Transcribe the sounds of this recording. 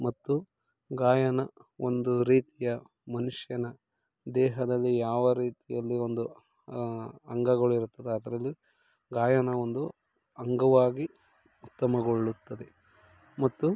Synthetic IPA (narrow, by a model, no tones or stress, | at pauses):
mɐt̪ːu | ɡaːjɐnɐond̪uɾiːt̪ijɐ | mɐnuʂjɐnɐ | d̪ɛːɦɐd̪ɐlːijaːʋɐɾiːt̪ijɐlːio̞nd̪u | ɐŋɡɐɡɐɭuiɾut̪ːɐd̪eɐd̪ɐɾɐlːi | ɡaːjɐnɐo̞nd̪u | ɐŋɡɐʋaːɡi | ut̪ːɐmɐɡo̞ɭːut̪ːɐd̪e | mɐt̪ːu